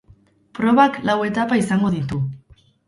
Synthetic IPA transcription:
pɾo̞βaklawe̞t̪apaisaŋɡo̞ðit̪u

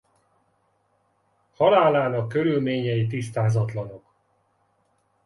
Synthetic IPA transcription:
hɒlaːlaːnɒkːø̞ɾylmeːɲɛjit̪ist̪aːzɒt̪lɒno̞k

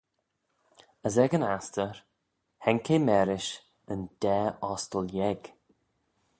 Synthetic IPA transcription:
əzɛɡənastəɹ | hɛŋkʰemɛɾɪʃ | ənd̪̥ɛːɔstəljɛɡ̥

